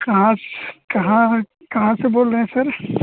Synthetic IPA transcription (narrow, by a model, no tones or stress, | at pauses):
kɐɦãskɐɦã | kɐɦãseboːlɾeɦɛ̃sɐɾ